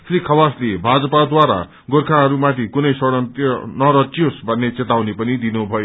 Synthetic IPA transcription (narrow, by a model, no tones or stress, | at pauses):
srikʰʌwaslebʱad͡zʌpad̪waɾa̰ | ɡorkʰaɦʌɾumat̪ʰikunʌjsʌɽʌt̪ʌnʌɾʌt̪josbʱʌnːet͡set̪awnepʌnid̪inubʱʌjo